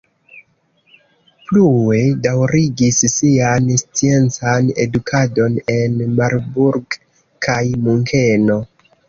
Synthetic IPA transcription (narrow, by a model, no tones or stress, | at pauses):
plue̞dawɾiɡissianst͡sie̞nt͡sane̞̰dukʰado̞ne̞nmaɾbuɾɡ | kʰajmuŋkʰe̞no̞